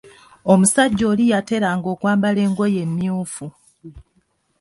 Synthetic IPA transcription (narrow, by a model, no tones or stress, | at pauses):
o̞musaɟːo̞ːlijate̞ɾaŋɡo̞ːkwaːmbale̞ːŋɡo̞je̞mːjuːfu